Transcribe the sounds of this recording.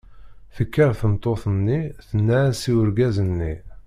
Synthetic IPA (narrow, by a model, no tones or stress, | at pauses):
θəkːəɾθəmt̪ˤːoθənːiθənːænsiwəɾɡæzənːi